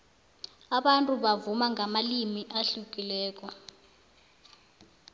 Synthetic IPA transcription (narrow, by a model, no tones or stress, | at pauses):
aɓantʼuɓavumaŋʱamalimiʔaɬuk̬ʼilɛːk̬ʼɔ